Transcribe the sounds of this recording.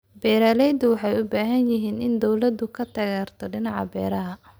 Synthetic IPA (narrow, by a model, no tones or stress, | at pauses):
bɛːɾaːlɛjd̪ʊwɑħɑjʊbaːɦɐnjɪɦiːnɪnd̪ɔwlɐd̪ʊkʰɐt̪ʰɐɣaːrt̪ʰɔɖɪnɑʕɑ̰bɛːɾɐɦɐ